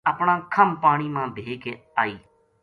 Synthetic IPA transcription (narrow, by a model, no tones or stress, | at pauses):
əpɳãːkʰəmpaːɽ̃iːmãːbʱeːkeː | aːiː